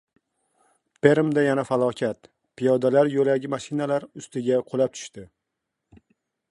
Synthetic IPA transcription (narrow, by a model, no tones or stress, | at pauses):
pʰe̞ɾmd̪ajanafalˠɒkʲʰat̪ | pʰijɒd̪alaɾjolaɡʲɪmaʃɪnalaɾʊst̪ɪɡʲaqʰolap̚t̪ʰʊ̥ʃt̪ɪ